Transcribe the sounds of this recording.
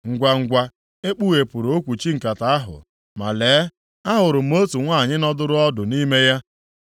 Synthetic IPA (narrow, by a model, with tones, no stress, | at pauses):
ŋ̩˨ɡʷa˨ŋ̩˨ɡʷa˨ | e˦k͡pu˦ɣe˨pʊ˨ɾo˨˦o˦kʷu˨t͡ʃi˦ŋ̩˨ka˨ta˨a˦ɦʊ̰˨ | ma̰˨leː˨˦ | a˦ɦʊ˨ɾʊ˨m̩˦o˦tu˨ŋʷa˦˨ɲɪ˦nɔ˦dʊ˦ɾʊ˦ɔ˦dʊ˨ni˦me˦ja˦